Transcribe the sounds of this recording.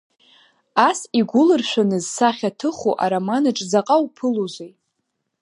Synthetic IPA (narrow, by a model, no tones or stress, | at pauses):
asiɡʷʊlɨrʃʷᶣanɨzsaχʲatʰɨχṵʔa̰ɾamanaʈ͡ʂʼd͡zaqʼawpʰɨluzʷej